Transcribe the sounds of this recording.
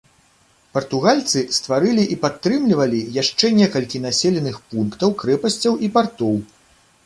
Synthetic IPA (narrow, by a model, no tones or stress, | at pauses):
pɐrt̪uɣalʲt̪sɨst̪vaɾɨlʲiʔipat̪ːɾɨmlʲivɐlʲijaʂt͡ʂɛnʲɛkɐlʲkʲin̪asʲɛlʲɛnɨxpunkt̪ɐwkɾɛpɐsʲt͡sʲɐwʔipart̪ɔw